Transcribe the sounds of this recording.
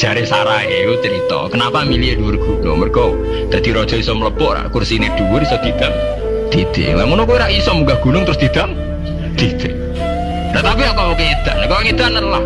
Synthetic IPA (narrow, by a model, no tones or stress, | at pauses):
ʒ̥a̤ɾesaɾaekut͡ʃəɾit̪ɔ̰kənapamilieduwɪrɡ̥unɔ̰ŋmərkɔ | d̪̥a̤d̪̥iɾɔd̥ʒ̥ɔisɔmələb̥ɔʔɾa̰ʔkursined̪̥uwʊrisɔd̪̥id̪̥aŋ | d̪̥id̪̥ḛlaŋunɔkueɾaʔisɔmuɡahɡ̥unʊŋt̪əɾʊsd̪̥id̪̥aŋ | d̪̥id̪̥ɪ | ɾaʔt̪apiakaokeed̪̥aʔnkɔŋed̪̥anəla